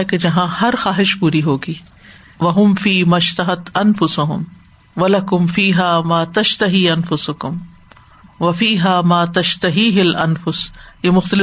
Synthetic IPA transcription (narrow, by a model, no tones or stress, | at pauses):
eked͡ʒɐɦãːhɐɾxaːɦɪʃpuːɾiɦoːɡiː | ʋɐɦʊmfiːmɐʃt̪ɐɦɐt̪ɐnfʊsʊɦʊ̰m | ʋɐlɐkʊmfiːɦaːmaːt̪ɐʃt̪ɐɦiːɐnfʊsʊkʊm | ʋɐfiːɦaːmaːt̪ɐʃt̪ɐɦiːɦɪlʔɐnfʊsjemʊxt̪ɐlɪ